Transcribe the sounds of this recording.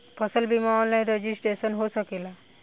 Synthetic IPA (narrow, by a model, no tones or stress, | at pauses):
pəsəlbimaʋãlaj̃ɾed͡ʑisʈɾesənɦosəkela